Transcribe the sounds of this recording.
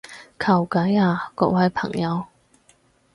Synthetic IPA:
kʰɐ˨˩wkɐ˨˥jaː˨˧kɔ̰ː˧k̚wɐ˧jpʰɐ̰˨˩ŋjɐ˨˧w

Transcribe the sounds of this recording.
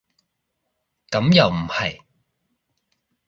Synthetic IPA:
kɐ˨˥mjɐ˨wm̩˨˩hɐ˨˩j

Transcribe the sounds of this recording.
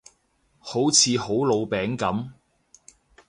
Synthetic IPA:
ho˨˥wt͡sʰiː˨˧ho˨˥wlo˨˧wpɛː˨˥ŋkɐ˨˥m

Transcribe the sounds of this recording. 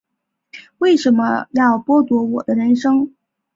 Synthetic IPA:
we˥˩ɪʂə˧˥nmə˧jɑ˥˩ʊpwɔ˥t̪wɔ˧˥wɔ˨˩d̪ə˦ɻə˧˥nʂɤ˥ŋ

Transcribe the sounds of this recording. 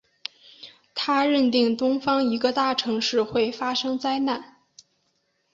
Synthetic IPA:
t̪ʰa˥ɻə˥˧nt̪i˥˩ŋt̪ʊ˥ŋfɑ˥ŋi˧˥ɡə˧t̪a˥˩ʈ͡ʂʰɤ˧˥ŋʂɻ̩˥˧xwe˥˩ɪfa˥ʂɤ˥ŋt͡sa˥ɪna˥˩n

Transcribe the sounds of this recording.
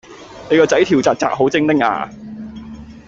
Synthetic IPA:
ne˨˧jkɔː˧t͡sɐ˨˥jt̪ʰi˨˩wt͡saː˨k̚t͡sa̰ː˧k̚ho˨˥wt͡sɪ˥ŋt̪ɪ˥ŋa̰ː˧

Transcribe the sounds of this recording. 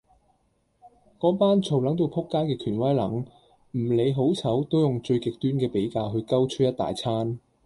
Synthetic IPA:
kɔː˨˥paː˥nt͡sʰo˨wlɐ˨˥ŋt̪̬o˧wpʰʊ˥kːaː˥jkɛː˧kʰyː˨˩nwɐ˥jlɐ˨˥ŋ | m̩˨˩le˨˧jɦo˨˥wt͡sʰɐ˨˥wt̪o˥wjʊ˨ŋt͡ʃɵ˧ɥkɪ˨k̚t̪yː˥nkɛː˧pe˨˥jkaː˧wɦɵ˧kɐ˥wt͡ʃʰɵ˥jɐ˥t̪a̰ː˨jt͡sʰaː˥n

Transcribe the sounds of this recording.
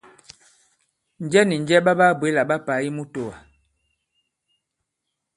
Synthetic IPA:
n̩˨d͡ʒɛ˦ni˨n˦d͡ʒɛ˦ba˦ba˦˨bwe˨˦la˨ɓa˦pa˨˦ji˦mu˦to˨wa̰˨

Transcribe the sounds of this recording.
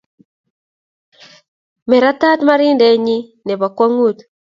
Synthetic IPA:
mɛ˨ɾa˦ta˦tma˦ɾi˦ndɛ˨ɲi˦nɛ˨βa˨kwa˦ŋu˦˨t

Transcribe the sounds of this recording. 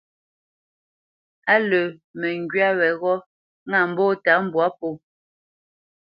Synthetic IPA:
a˦lə˨mɛ˨ŋɡɥa˦wɛ˨ɣɔ˦ | ŋa˨m̩˨bɔ˦˨ta˨˦m̩˨bwa˨˦po˦˨

